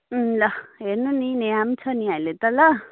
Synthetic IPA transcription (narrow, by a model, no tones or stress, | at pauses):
lʌɦernunineamt͡sʰʌniajlet̪ʌlʌ